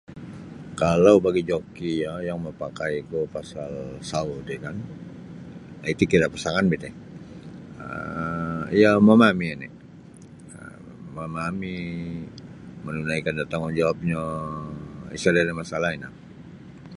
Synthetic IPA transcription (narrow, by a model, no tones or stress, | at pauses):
kalawbaɡid͡ʒokijajaŋməpakaikupasalsaudikan | ait̪ukiɾaʔpasaŋanbit̪ɪ | ə̰ | ijamamamianḭ | ə̰ | mamami | mənunaikandat̪aŋand͡ʒawap̚ɲa | ḭsadalamasalaina̰